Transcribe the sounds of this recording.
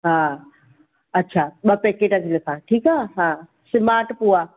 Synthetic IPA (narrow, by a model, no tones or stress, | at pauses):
ɦãː | ɐtːɕʰaɓɐpeːkeːʈɐkʰilɪkʰãːʈʰiːkaːɦãː | sɪmaːɾʈpuaː